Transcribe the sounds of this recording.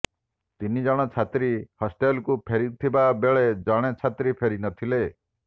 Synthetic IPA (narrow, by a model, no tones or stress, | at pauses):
t̪inid͡ʒɔɽ̃ɔt͡ʃʰat̪ɾihɔsʈelkupʰeɾit̪ʰibabeɭed͡ʒɔɽ̃et͡ʃʰat̪ɾipʰeɾinɔt̪ʰile